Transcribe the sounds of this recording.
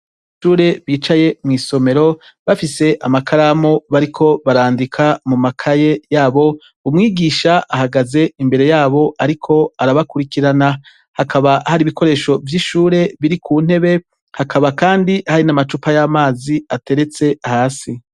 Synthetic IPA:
ʃuːɾe̞βiːt͡ʃaje̞mŋiːso̞me̞ɾo̞ | βafise̞ʔamakʰaɾamoβaɾikʰo̞βaɾaːndikʰamumakʰaje̞jaːβo̞ | umŋiːɡiːʃaahaɡaze̞imbe̞ɾe̞jaːβo̞ʔaɾikʰo̞aɾaβakuɾikiɾana | hakaβahaɾiːβiko̞ɾe̞ːʃo̞vjiːʃuːɾe̞βiɾikʰuːn̥he̞βe̞ | hakʰaβakaːndihaɾinamat͡ʃupajaːmaːziate̞ɾe̞t͡se̞haːsi

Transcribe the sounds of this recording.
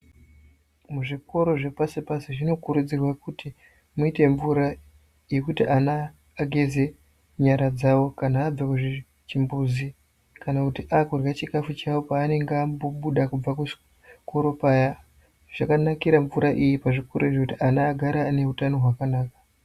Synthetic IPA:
muʐikʰo̞ɾo̞ʐe̞pasipasiʐino̞kuɾud͡zirwakuti | muite̞ɱvuɾa | jekutiʔanaː | ɡʱe̞ze̞ | ɲaɾad͡zawo̞kanaːb͡vakuʐi | t͡ʃimbuzi | kanakutiʔakurjat͡ʃikafut͡ʃawopaːne̞ŋɡamboɓuɗakub͡vaku̥ | kʰo̞ɾo̞paja | ʐ̥akanakiɾaɱvuɾaʔijipaʐiko̞ɾoiʐekutiʔanaːɡʱaɾaːne̞utano̞ɦwakanaːkḁ

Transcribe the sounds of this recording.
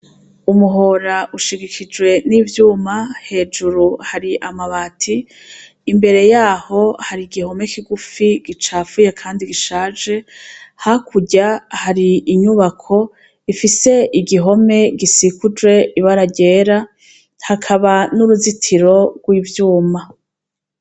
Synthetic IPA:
umuɦo̞ɾaʔuʃiɡikʰid͡ʒwe̞niːvjuːmahe̞ːd͡ʒuɾuhaɾiʔamaβaːtʰiː | mbe̞ɾe̞jaːho̞haɾiɡiho̞me̞kiɡufiɡ̥it͡ʃaːfujekʰaːndiɡiʃaːd͡ʒe̞hakʰuɟahaɾiːɲuβakʰo̞ | ifise̞ʔiɡiɦo̞me̞ɡisikud͡ʒwe̞ʔiβaɾaɟe̞ːɾa | hakʰaβanuɾuzitʰiɾo̞ɡ̥wiːvjuːma

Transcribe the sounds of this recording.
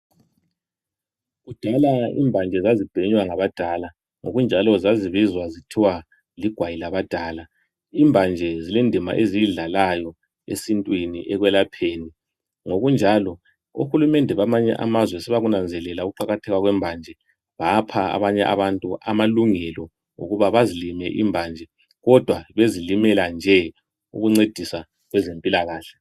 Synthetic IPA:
ɣud̥ʱalaḭːmbʱand͡ʒʱɛzazib̥ʱeɲwaŋaβad̥ʱala | ŋoɣund͡ʒʱalɔzaziβizwazitʰiwa | liɡ̥ʱwajilaβad̥ʱaːla | iːmbʱand͡ʒʱɛzilindʱima̰ʔeziɮalajɔ | ḛsintʼwinḭʔɛɣwɛlapʰeːni | ŋoɣund͡ʒʱalɔ | uxulumɛndʱɛβamaɲɛ̰ʔa̰mazwɛsɛβaɣunand͡zʱɛlɛlauɣuǃaɣatʰɛɣwaɣwɛmbʱand͡ʒʱɛ | βapʰaa̰βaɲɛʔa̰βantʼuʔamaluŋɛlɔ | ŋṵɣuβaβazilimɛʔḭmbʱaːnd͡ʒʱɛ | ɣɔd̥ʱwaβezilimɛland͡ʒʱɛ | ṵɣuŋ͡ǀed̥ʱisa | ɣwɛzempʼilaɣaːɬɛ̥

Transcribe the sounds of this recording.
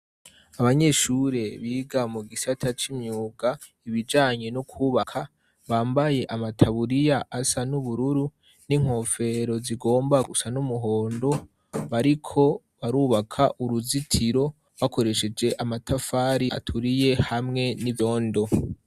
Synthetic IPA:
aβaɲe̞ʃuɾe̞βiːɡamuɡisatʰat͡ʃimɲuːɡa | iβid͡ʒaːɲe̞nukʰuːβakʰa | βaːmbaje̞ʔamatʰaβuɾijaʔasanuβuɾuɾu | niŋ̥ho̞ːfe̞ɾo̞ziɡo̞ːmbaɡusanumuɦo̞ːndo̞ | βaɾikʰo̞ | βaɾuːβakʰaʔuɾuzitʰiɾo̞ | βako̞ɾe̞ʃe̞d͡ʒe̞ʔamatʰafaːɾia̰tʰuɾije̞hamŋe̞niβjo̞ːndo̞

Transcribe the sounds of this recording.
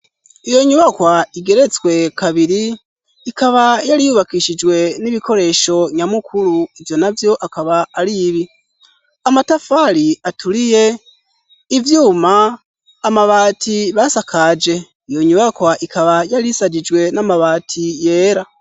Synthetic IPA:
ijo̞ɲuβakwaiɡe̞ɾe̞t͡swe̞kaβiɾi | ikaβajaɾijuβakiʃid͡ʒwe̞niβiko̞ɾe̞ʃo̞ɲamukʰuɾuivjo̞navjo̞ʔakaβaːɾiβi | amatafaɾiatʰulije̞ | ivjuːmaː | maβatʰiβasakʰad͡ʒe̞ | ijo̞ɲuβakwaʔikʰaβajaɾisad͡ʒid͡ʒwe̞namaβaːtʰije̞ːɾa

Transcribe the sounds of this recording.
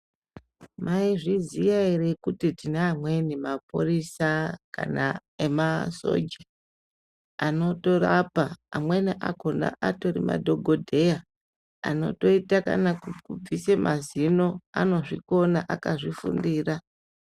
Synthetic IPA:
maiʐizijaeɾekutitinaːmwe̞nimapṵrisaka̰na̰ | emaso̞̰d͡ʒi | ano̞to̞rapaːmweniʔakonda̰ʔato̞rḭma̰dʱo̞ɡʱo̞dʱe̞ja | a̰no̞̰to̞itaka̰nakkub͡visemʔazino̞a̰no̞ʐiko̞naʔakaʐifṵndiːra

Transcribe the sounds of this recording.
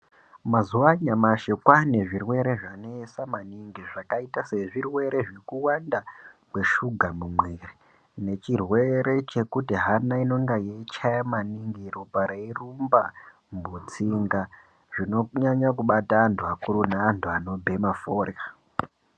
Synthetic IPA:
mazuwaɲamaʃekwane̞ʐirwe̞ɾe̞ʐanesamaniŋɡiʐakaitase̞ʐirwe̞ɾe̞ʐikuwandakwe̞ʃuɡʱamumweri | ne̞t͡ʃirwe̞ɾe̞t͡ʃe̞kutiɦanaino̞ŋɡajet͡ʃajamaniŋɡiɾopaɾeirumba | mbut͡siŋɡa | ʐ̥ino̞ɲaɲakuɓataːntʰuakuɾunaːntʰuano̞bʱe̞mafora

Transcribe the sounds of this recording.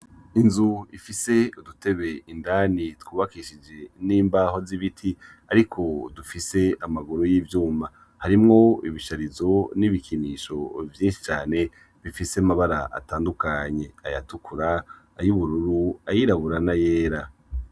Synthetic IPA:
inzuifise̞udute̞βe̞ʔindaːnitwuːβakiʃid͡ʒe̞niːmbaho̞ziβitʰi | aɾikʰo̞dufise̞amaɡuɾujiːvjuːma | haɾimŋo̞iβiʃaɾizo̞niβikʰiniːʃo̞vjiːnʃi̥t͡ʃaːne̞ | βifiseamaβaɾa̰ʔa̰taːndukaɲe̞ajatukʰuɾaː | juβuɾuɾuajiɾaβuɾanaje̞ːɾa

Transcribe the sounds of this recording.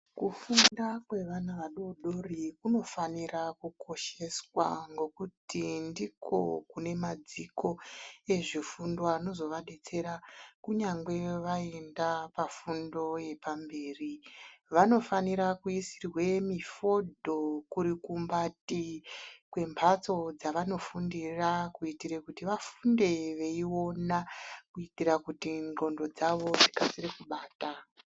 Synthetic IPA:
kufundakwe̞ʋanaʋaɗoɗo̞rikuno̞fanirakukʰo̞ʃe̞swa̰ŋɡo̞kutindikʰo̞̰kune̞mad͡ziko̞e̞ʐifundoano̞zo̞ʋaɗe̞t͡se̞ɾakuɲaŋɡwe̞ʋaendapafundo̞je̞pambe̞ːriʋano̞faniɾakuisirwe̞mifo̞dʱo̞kuɾikumbatikwe̞mpʰat͡so̞d͡zaʋano̞fundirakuitiɾekutiʋafunde̞ʋe̞iwo̞nakuitiɾakutinɡo̞ndo̞d͡zaʋo̞d͡zikasiɾekuɓaːta

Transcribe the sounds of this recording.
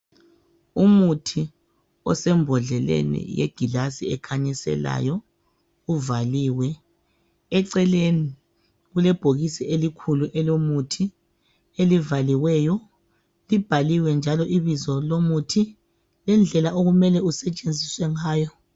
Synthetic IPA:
umutʰi | ɔ̰sɛmbʱɔɮɛlḛnḭjḛɡ̥ʱilasiɛkʰaɲisɛ̰la̰ːjɔ | uvaliːwɛ | ɛǀɛleni | ɣulɛb̥ʱoɣisiʔelikʰuluʔɛlomutʰi | elivaliwɛːjɔ | lib̥ʱaliwɛnd͡ʒʱalɔʔiβizɔlomutʰi | lɛnd͡ɮʱɛlaʔoɣumɛlɛusɛt͡ʃʼend͡zʱiswɛŋaːjɔ

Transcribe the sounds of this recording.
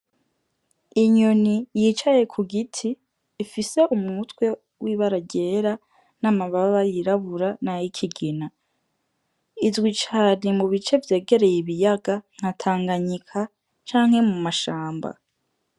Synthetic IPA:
iɲonijit͡ʃaje̞kʰuɡitʰiː | fise̞ʔumŋutwe̞ | wʔiːβaɾaɟe̞ːɾa | namaβaβajiɾaβuɾanajikʰiɡina | izwit͡ʃaːnimuβit͡ʃe̞vje̞ːɡe̞ɾe̞jiβijaɡaŋ̥hatʰaːŋɡaɲikʰa | t͡ʃaːŋ̥he̞mumaʃaːmba̰

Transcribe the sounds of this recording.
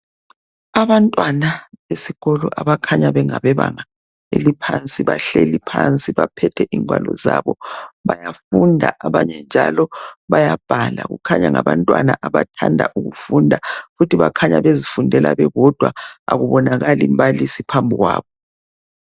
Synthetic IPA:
aβantʼwanaβesiɣɔlɔʔaβakʰaɲaβɛŋaβɛβaŋa | elipʰant͡sʼiβaɬelipʰant͡sʼiβapʰɛtʰɛʔiŋwalɔzaβɔβajafundʱaʔaβaɲɛnd͡ʒʱalɔβajab̥ʱala̰ɣukʰaɲaŋaβantʼwa̰naʔaβatʰandʱa̰ʔuɣufundʱafutʰiβakʰaɲaβezifundʱɛla̰βɛɣɔd̥ʱwaaɣuβɔnaɣalimbalisipʰambʱuɣwaːβɔ

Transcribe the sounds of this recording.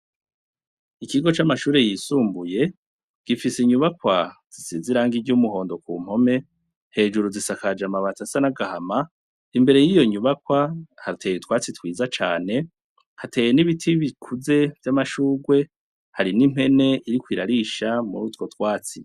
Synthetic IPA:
ikiɡo̞t͡ʃamaʃuːɾe̞jisuːmbuje̞ | ɡ̥ifisiɲuβakwaz̥isiziɾaːŋɡiɟumuho̞ːndo̞kuːm̥ho̞me̞ | he̞ːd͡ʒuɾuzisakad͡ʒamaβatasanaɡahama | imbe̞ɾe̞jijo̞ɲuβakwahatʰeːjitwaːt͡sitwiːzat͡ʃaːne̞ | hate̞ːjeniβitʰiβikʰuze̞vjamaʃuːɡwe̞ | haɾinim̥he̞ne̞iɾikwiːɾaɾiʃamṵɾuːtwo̞twaːt͡si

